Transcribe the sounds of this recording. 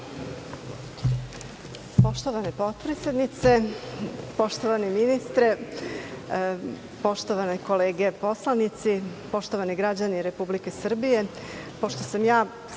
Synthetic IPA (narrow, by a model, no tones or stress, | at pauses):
po̞ʃt̪oʋanepo̞t̪̚pɾesjed̪nit̪se̞ | po̞ʃt̪oʋaniminist̪ɾe | po̞ʃt̪oʋaneko̞leːɡe̞po̞slˠanit̪sipo̞ʃt̪oʋaniɡɾad͡ʑaniɾe̞publike̞sr̩bije̞ | po̞ʃt̪o̞samjaː